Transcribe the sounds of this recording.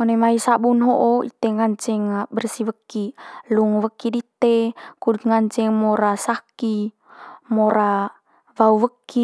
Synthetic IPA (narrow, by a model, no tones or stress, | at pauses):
monemaisabunɦoʔoḭt̪eŋaɲt͡ʃɛŋabərsiwəkːiluŋwəkidit̪ekud̪ŋaɲt͡ʃɛŋmoɾasaki | moɾa | vauwəkːi